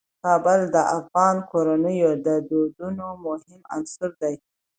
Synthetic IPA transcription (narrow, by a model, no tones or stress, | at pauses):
kɑbʊld̪əʔafɣɑnkoɾanəjod̪əd̪od̪unomʊhɪma̰nsʊɾd̪aj